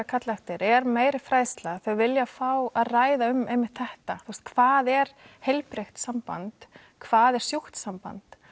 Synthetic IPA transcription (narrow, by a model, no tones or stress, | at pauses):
kʰat̪laxt̪ɪɾɛɾmeːjɾɪfɾaːjst̪laθœvɪljafaːwaðraːjðaʏmejmɪht̪θɛht̪aθust̪̚kʰvaːðɛɾ̥hejlpɾext̪sampa̰nt̪ | kʰvaːðɛɾ̥sjuht̪sampa̰nt̪